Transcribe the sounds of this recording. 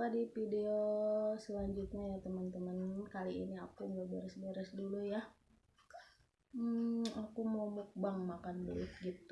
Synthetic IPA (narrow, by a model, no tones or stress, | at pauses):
padipideosəlaɲd͡ʒut̪̚ɲajat̪əmənt̪əmənkaliḭniakuŋɡabeɾəsbeɾəsduluja | m̩akumawmuk̚baŋmakanbulɪt̪̚ɡit̪u